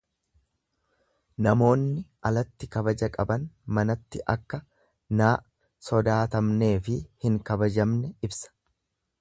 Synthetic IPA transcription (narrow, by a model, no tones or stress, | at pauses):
nɐmo̞ːnːɪʔɐlɐt̪ːɪkɐbɐd͡ʒɐkʼɐbɐnmɐnɐt̪ːɪʔɐkːɐ | naː | sɔd̪aːt̪ɐmne̞ːfɪhɪŋkɐbɐd͡ʒɐmnɛɪbsɐ̥